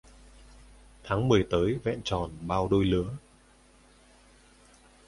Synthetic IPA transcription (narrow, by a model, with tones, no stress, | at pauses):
t̪ʰaː˨˦ŋmɨ˨˩əjt̪əː˨˦jvɛ̰˧˨nt͡ɕɔ˨˩nɓaː˧wɗo˧jlɨ̰˧˥˦ə